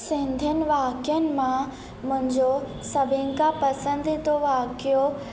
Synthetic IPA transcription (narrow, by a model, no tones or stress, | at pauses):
sɪ̃nd̪ʱənɪ̆ʋaːkjənɪ̆mã | mʊ̃ɦɪ̃ɲd͡ʑo | sɐbʱɪ̃ŋkãpɐsə̃nd̪t̪oʋaːkijo